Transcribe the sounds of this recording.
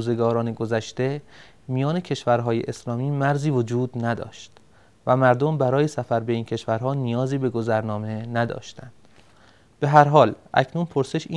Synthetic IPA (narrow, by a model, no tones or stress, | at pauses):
ze̞ɡɒːɾɒːneɡo̞zæʃt̪e̞ | mijɒːne̞cʰe̞ʃvæɾɦɒːjḛʔeslɒːmiːmæɾziːvo̞d͡ʒuːd̪næd̪ɒ̰ːʃt̪ | væmæɾd̪ombæɾɒːjesæfæɾbe̞iːncʰe̞ʃvæɾɦɒːnijɒːziːbe̞ɡo̞zæɾnɒːme̞næd̪ɒ̰ːʃt̪ænd̪̥ | b̥e̞ɦæɾɦɒːlʔæ̰cʰnunpʰo̞ɾse̞ʃi